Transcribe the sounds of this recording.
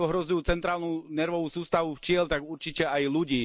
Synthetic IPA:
ɔɦɾɔzujuːt͡sɛnt̪ɾaːlnuːnɛɾʋɔʋusuːst̪aʋuft͡ʃɪɛlt̪aɡuɾt͡ʃicɛajluɟiː

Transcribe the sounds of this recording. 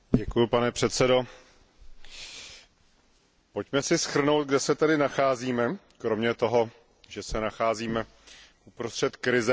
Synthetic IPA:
ɟɛkujʊpanɛpr̝̥ɛt̪sɛdo̞ | po̞cmɛsɪsxr̩no̞wt̪̚ɡdɛsɛt̪ɛdɪnaxaːziːmɛ | kɾo̞mɲɛt̪o̞ɦo̞ | ʒɛsɛnaxaːziːmɛ | ʔupɾost̪r̥ɛt̪kɾɪzɛ

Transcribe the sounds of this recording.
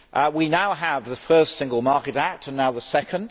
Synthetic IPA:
ʔwinaʊəvðəfɜˑstsɪ̃ŋɡəlˠmɑˑkɨɾæk̚tʰə̃nːaʊðəsɛkʰə̃nd̥

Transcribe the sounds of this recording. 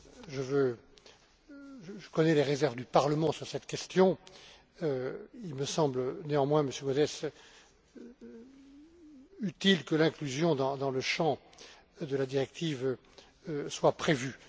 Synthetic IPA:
ʒəvø | ʒʒəkɔnɛleʁezɛʁvd̪ypaʁləmɑ̃syʁsɛt̪kʲɛst̪jɔ̃ | øilməsɑ̃blneɑ̃mwɛ̃məsjøɡozɛs | yt̪ilkəlɛ̃klyzjɔ̃d̪ɑ̃d̪ɑ̃ləʃɑ̃ | d̪əlad̪iʁɛk̚t̪ʰiv | swapχevy

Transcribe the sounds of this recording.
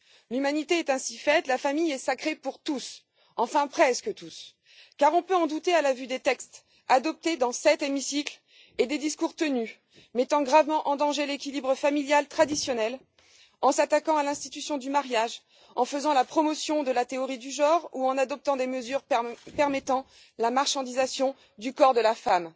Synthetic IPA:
lymanit̪eɛt̪ɛ̃si̥fɛt̪lafamijɛsakχepuʁt̪us | ɑ̃fɛ̃pχɛskət̪us | kaʁɔ̃pøɑ̃d̪ut̪ealavyd̪et̪ɛkst̪ | ad̪ɔp̚t̪ed̪ɑ̃sɛt̪emisikl | ed̪ed̪iskuʁt̪əny | mɛt̪ɑ̃ɡʁavmɑ̃ʔɑ̃d̪ɑ̃ʒelekʲilibʁəfamiljalt̪χad̪isjɔnɛl | ɑ̃sat̪akɑ̃alɛ̃st̪it̪ysjɔ̃d̪ymaʁjaʒ | ɑ̰̃fəzɑ̃lapχɔmɔsjɔ̃d̪əlat̪eɔʁid̪yʒɑ̃ʁuɑ̃nad̪ɔp̚t̪ɑ̃d̪eməzyʁpɛʁmɛt̪ɑ̃ | lamaʁʃɑ̃d̪izasjɔ̃ | d̪ykɔʁd̪əlafam

